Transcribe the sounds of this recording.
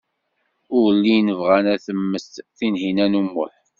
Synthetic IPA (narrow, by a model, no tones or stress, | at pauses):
ʊɾlːijnəvʁænæθəmːəst̪θinɦinænumːʊ̰ħ